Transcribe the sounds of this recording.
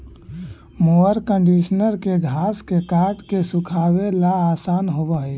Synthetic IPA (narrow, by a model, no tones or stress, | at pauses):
moəɾkəɳɖiʃnəɾkeɡʱaːskekaʈkesukʰaːwelaːsaːnɦobəɦɛ